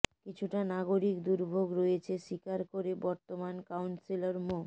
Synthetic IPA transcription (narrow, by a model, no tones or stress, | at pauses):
kit͡ɕʰuʈanaɡoɾikd̪uɾbʱoɡɾojet͡ɕʰeʃikaɾkoɾebɔɾt̪omankawnsilaɾmo